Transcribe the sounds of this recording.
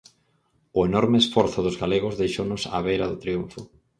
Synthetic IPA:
ʊenɔɾmeesfɔɾθʊðʊzɣaleɣʊzðejʃonʊsa̰β̞ejɾɐðʊt̪ɾiuɱfʊ

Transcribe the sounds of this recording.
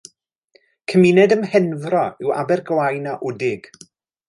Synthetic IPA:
kʰəminɛdəmhɛnvrɔɪwa̰bɛrɡlˠajnaʔʊdɪɡ̥

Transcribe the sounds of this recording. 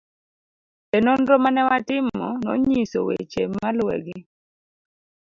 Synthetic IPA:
pɛnɔndɾɔmanɛwatɪmɔ̰nɔ̰ɲiso̰wḛt͡ʃemalwɛ̰ɡɪ

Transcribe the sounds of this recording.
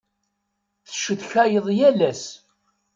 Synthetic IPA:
θə̥ʃəðçæjəðˤjælæs

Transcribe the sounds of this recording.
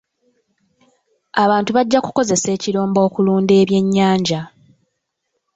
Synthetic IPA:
aβaːntuβaɟːakuko̞ze̞se̞ːciɾoːmbo̞ːkuluːnde̞ːβje̞ɲːaːɲɟa

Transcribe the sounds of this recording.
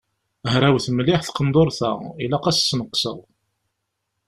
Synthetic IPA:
hɾæwθəmlɪħθqənd̪ˤoɾˤθæ̰ilaqæssːnəqːsə̰ðˤ

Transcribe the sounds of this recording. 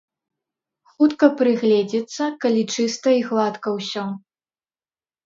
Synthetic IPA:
xut̪kɐpɾɨɣlʲɛd͡zʲit̪sːɐkalʲit͡ʂɨst̪ɐiɣlˠat̪kɐwsʲɔ

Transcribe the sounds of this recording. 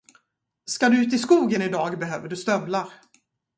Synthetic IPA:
skad̪ɵʉ̟ːt̪ɪskuːɡənɪd̪ɑːɡbɛɦø̰ːvəɖɵst̪œblaɾ

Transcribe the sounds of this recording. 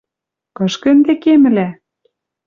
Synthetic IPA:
kɤ̆ʃkĕnd̪ekemɘ̆læ

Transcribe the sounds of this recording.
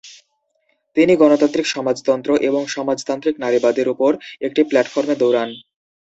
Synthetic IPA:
t̪iniɡɔnot̪ant̪ɾikʃɔmad͡ʑt̪ɔnt̪ɾoʔeboŋʃɔmad͡ʑt̪ant̪ɾiknaɾibad̪eɾupoɾek̚ʈiplɛʈfoɾmed̪owɾan

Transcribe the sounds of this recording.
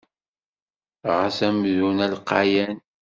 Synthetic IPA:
ʁasæmðunælqɑjæn

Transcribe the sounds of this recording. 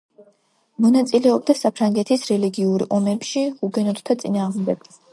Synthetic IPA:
mɔnat̪sʼilɛɔb̚d̪asapʰɾaŋɡɛt̪ʰisɾɛliɡiuɾɔmɛpʃiuɡɛnɔt̪t̪ʰat̪sʼinaːʁmd̪ɛɡ̥

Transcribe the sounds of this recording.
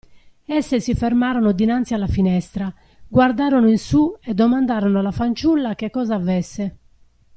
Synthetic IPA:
ɛsːesifɛɾmaːɾɔnod̪inant̪sialːafinɛst̪ɾa | ɡward̪aːɾɔnoinsuɛd̪ːɔmand̪aːɾɔnoalafant͡ʃulːak̟ekːɔːzaːvɛsːe

